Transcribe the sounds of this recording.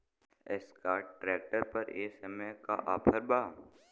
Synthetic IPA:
ɛskaːʈɾeːk̚ʈəɾpɐɾeːsɛmeka̰ʔaːpʰəɾbaː

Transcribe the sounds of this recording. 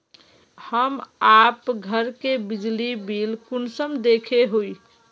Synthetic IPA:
həmapɡʱəɾkebid͡ʒlibilkunsəmd̪ekʰeɦoi

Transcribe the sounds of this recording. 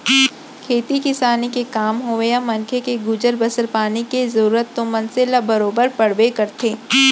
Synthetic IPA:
kʰeːt̪ikɪsaːnikekaːmɦoːʋejamɐnkʰekeɡʊd͡ʒəɾbəsəɾpaːnikezɐɾuːɾət̪ːõmɐnselabɐɾoːbəɾpɐɽ̤ʋekɐɾt̪ʰeː

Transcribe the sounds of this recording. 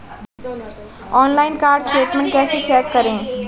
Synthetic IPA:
ɔːnlaːɪnkaːɾɖsʈeːʈmə̃ɳʈ̚kɛːset͡ʃɛːkːəɾẽː

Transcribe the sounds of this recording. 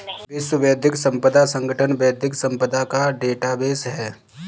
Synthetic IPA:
ʋɪswəbɐːəd̪ʱɪksɐ̃mpəd̪asə̃ŋɡəʈʰənbəːəd̪ʱɪksɐ̃mpəd̪akaɖeːʈabeːsɦɛː

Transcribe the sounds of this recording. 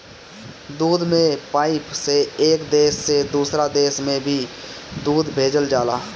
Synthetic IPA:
d̪uːd̪mẽpaːipʰseeːkd̪eːsːed̪uːsɾad̪eːsmẽbʱiːd̪uːd̪bʱeːd͡ʒəld͡ʒaːlaː

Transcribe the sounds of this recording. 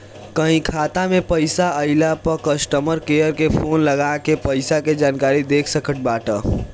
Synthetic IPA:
kəɦĩkʰaːt̪amẽpəɪsaəɪlapəkəsʈəməɾkejəɾkepʰoːnləɡakepəɪsaked͡ʒaːnkaːɾid̪eːkʰsəkəʈ̚baːʈə

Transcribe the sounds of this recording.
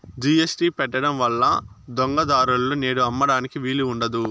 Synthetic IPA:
d͡ʒiesʈiːpɛʈːɐɽɐmʋɐlːɐd̪ɔŋɡɐd̪aːɾullone̞ːɽuɐmːɐɽaːnikiʋiːluːɳɖɐd̪u

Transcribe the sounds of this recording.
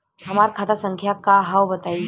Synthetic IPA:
ɦəmaɾkʰat̪asə̃ŋkʰjakaɦaʋbət̪ai

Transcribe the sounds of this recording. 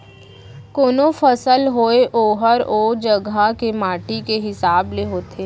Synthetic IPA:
koːnofʰəsəlɦoːeʔoːɦəɾoːd͡ʒəɡʱakemaːʈikeɦɪsaːbleɦoːt̪ʰeː

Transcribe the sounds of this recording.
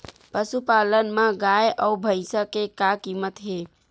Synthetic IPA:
pəsupalənmãɡajəubʱəɪsəkekakimət̪ɦe

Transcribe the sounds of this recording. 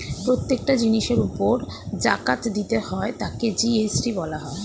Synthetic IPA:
pɾot̪ːekʈad͡ʑiniʃeɾupoɾd͡ʑa̰kat̪d̪it̪ehɔet̪aked͡ʑiesʈibɔlaɦɔe

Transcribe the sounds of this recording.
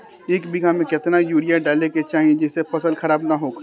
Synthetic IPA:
eːkbɪɡʱamẽkɪt̪najuːɽijaɖaːleket͡ʃaːɦiẽd͡ʒɪsepɐsəlxɐɾaːbnaɦoːk

